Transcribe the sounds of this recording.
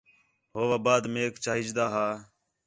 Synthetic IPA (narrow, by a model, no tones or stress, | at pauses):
ɦoːʋaːbaːd̪meːkt͡ʃaːɦɪd͡ʒd̪aːɦaː